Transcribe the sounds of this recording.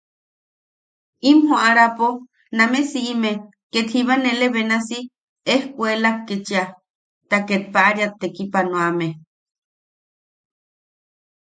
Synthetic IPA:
imɦoʔaɾapo | namesiːme | ket̪hiβaneleβenasi | ehkʷelap̚ket͡ʃia | t̪aket̪̚paʔaɾiat̪ːekipanõame

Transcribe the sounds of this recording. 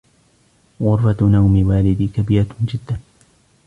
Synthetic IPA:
ɣʊɾfat̪nawmɪwaːlɪd̪iːkabɪːɾad͡ʒɪd̪ːa

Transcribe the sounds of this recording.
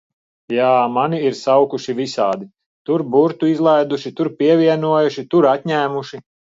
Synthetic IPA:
jaːmaniiɾsawkuʃivisaːd̪i | t̪uɾbuɾt̪uizlˠajd̪uʃit̪uɾpʲiɛvʲiɛnuɔjuʃit̪uɾat̪ʲɲæːmuʃi

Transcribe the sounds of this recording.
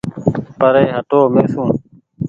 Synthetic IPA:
pəɾeːɦəʈoːmeːsũː

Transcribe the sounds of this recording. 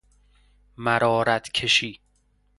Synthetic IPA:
mæɾɒːɾæt̪ʰkʰeʃiː

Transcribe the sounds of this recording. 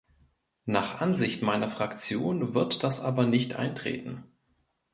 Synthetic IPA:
naːχʔanzɪçtmaɪnɐfʁ̥akt͡sjoːnvɪɐtd̥asʔaːbɐnɪçtʔa̰ɪntʁ̥ḛːtn̩

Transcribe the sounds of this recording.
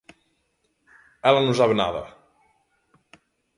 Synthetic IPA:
ɛlənusaβna̰ðə̰

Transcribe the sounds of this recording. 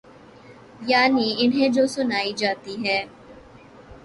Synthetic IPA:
jaːniɪnɦẽd͡ʒoːsʊnaːid͡ʒaːt̪iɦɛː

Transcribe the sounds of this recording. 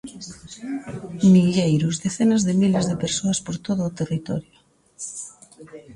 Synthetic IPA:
miʎejɾʊzðeθenazðemilezðepeɾsoaspoɾt̪oð̞ʊːt̪erit̪ɔ̰ɾjʊ

